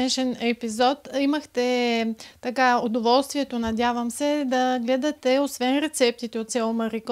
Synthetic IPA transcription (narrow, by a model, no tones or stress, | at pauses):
ɛʃɛnɛpizɔt̪iməxt̪ɛ | t̪ɐkaod̪ovɔlˠst̪viɛt̪onɐd̪javəmsɛd̪ɐɡlɛd̪ɐt̪ɛosvɛnɾɛt̪sɛp̚t̪it̪ɛot̪sʲjalˠomɐɾik